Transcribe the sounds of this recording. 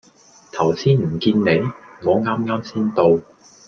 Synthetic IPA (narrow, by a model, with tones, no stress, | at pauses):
t̪ʰɐ˨˩wsiː˥nm̩˨˩kiː˧nne˨˧jŋɔː˨˧ŋaː˥mŋaː˥msiː˥nt̪o˧w